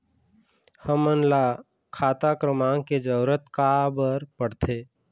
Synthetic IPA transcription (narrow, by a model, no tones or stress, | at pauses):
həmənla | kʰaːt̪akɾəmãːŋked͡ʒəʊɾət̪kabəɾpəɽt̪ʰe